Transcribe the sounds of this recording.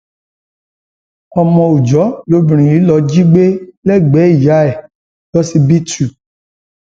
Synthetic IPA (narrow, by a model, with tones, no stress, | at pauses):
ɔ˧mɔ̃˧u˨d͡ʒɔ˨˦lo˨˦bĩ˨ɾ̃ĩ˨i˨˦lɔ˧d͡ʒi˦ɡ͡be˦lɛ˦ɡ͡bɛ˨˦i˦˨ja˨˦ɛ˦˨ | jɔ˦si˧bi˦tu˨